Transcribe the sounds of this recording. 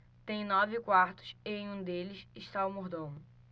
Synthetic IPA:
t̪ẽj̃nɔvɪkwaɾt̪ʊ̥seẽj̃ũd̪elɪsɪʃt̪aumoɾd̪õmʊ

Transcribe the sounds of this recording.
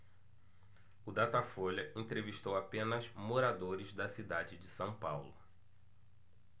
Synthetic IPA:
ʊd̪at̪afoʎɐẽt̪ɾeviʃt̪owapẽnɐzmoɾad̪oɾɪzd̪ɐsid̪ad͡ʒɪd͡ʒɪsɐ̃w̃pawlʊ

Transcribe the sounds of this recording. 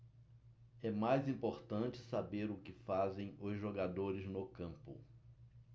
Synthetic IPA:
ɛmajzĩmpoɾt̪ɐ̃t͡ʃɪ̥sabeɾʊkɪfazẽj̃ʊzʒoɡad̪oɾɪznʊkɐ̃mpʊ̰

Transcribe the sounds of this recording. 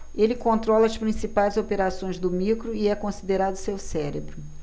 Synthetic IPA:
elɪkõnt̪ɾɔlɐɐspɾĩsipajzopeɾasõj̃zd̪ʊmikɾʊiɛkõsid̪eɾad̪ʊsewsɛɾebɾʊ

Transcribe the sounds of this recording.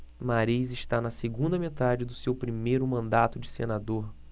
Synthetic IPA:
maɾizɪʃt̪anɐseɡũnd̪ɐmet̪ad͡ʒɪd̪ʊsewpɾimejɾʊmɐ̃nd̪at̪ʊd͡ʒɪsenad̪oɾ

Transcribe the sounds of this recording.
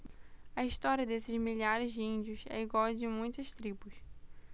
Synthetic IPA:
ɐiʃt̪ɔɾiɐd̪esɪzmiʎaɾɪzd͡ʒɪĩnd͡ʒʊsɛ̰iɡwawd͡ʒɪmũj̃t̪ɐʃt̪ɾibʊs

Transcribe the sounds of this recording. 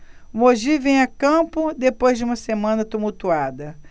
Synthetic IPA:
moʒivẽj̃akɐ̃pʊd̪epojzd͡ʒɪũmɐsemɐ̃nɐt̪umuwt̪uad̪ɐ

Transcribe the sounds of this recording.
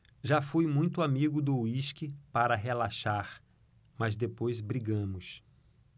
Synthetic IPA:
ʒafujmũj̃t̪ʊamiɡʊd̪ʊwiʃkɪpaɾɐɦelaʃaɾ | mɐzd̪epojzbɾiɡɐ̃mʊs

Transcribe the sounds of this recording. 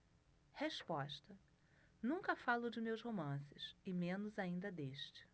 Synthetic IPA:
heʃpɔʃt̪ɐ | nũŋkɐfalʊd͡ʒɪmewshomɐ̃sɪsɪmẽnʊzaĩnd̪ɐd̪eʃt͡ʃɪ̥

